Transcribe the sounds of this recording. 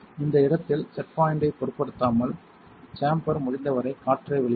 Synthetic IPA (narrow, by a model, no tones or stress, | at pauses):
ɪnd̪ɐɪɽɐt̪ːɪlsɛrpaːjɪɳɖɐɪpɔɾɯpːɐɽɯt̪ːaːmɐl | saːmpɐɾmʊɻɪnd̪ɐʋɐɾɐɪkaːʈːrɐɪʋɛɭɪ